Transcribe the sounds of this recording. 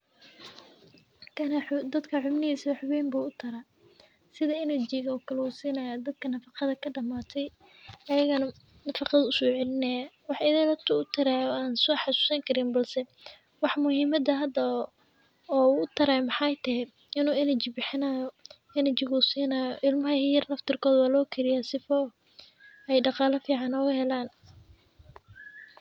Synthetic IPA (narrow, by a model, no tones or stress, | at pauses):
kʰɐnɐħd̪ɐd̪kʰɐħʊmnɪhiːsɐɐħʊβɛːjmbuːʊt̪ʰɐɾaː | sɪðɐɪnɐt͡ʃɪɣɐɔːkʰɐlɛuːsiːnɐjad̪ɐd̪̚kʰɐnɐfɑqɑðɐkʰɐɖɐmaːt̪ʰɛj | ɐjɐɣɐnɐ | nɐfɑqɑðʊsɔːʕɛlɪnɛjawɑħɪðɐlɐt̪ʰʊʊt̪ʰɐɾaːjɔaːnsɔːħɑsu̥ːsɐŋkʰɐɾɪnbɐlsɛ | wɑħmʊhiːmɐd̪ɐɦɐd̪ɐ | ɔːuʊt̪ʰɐɾaːjmɑħɑjt̪ʰɐɦɛ | ɪnuːɪnɐt͡ʃɪbɪħɪnajɔ | ɪnɐt͡ʃɪɣusiːnaːjɔʔɪlmɐɦɐhijɐrnɐft̪ʰɪrkʰɔːðwaːlɔːkʰɪlɪjasɪfɔ | ɛjɖɑqɑːlɐfiːʕɑnɔːɣɐhɛlaːn